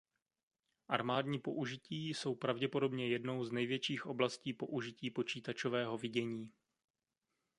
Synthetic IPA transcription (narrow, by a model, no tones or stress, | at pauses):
ʔaɾmaːdɲiːpo̞ʔuʒɪciːso̞wpɾavɟɛpo̞do̞bɲɛjɛdno̞wznɛjvjɛt͡ʃiːxʔo̞blasciːpo̞ʔuʒɪciːpo̞t͡ʃiːt̪at͡ʃovɛːɦo̞vɪɟɛɲiː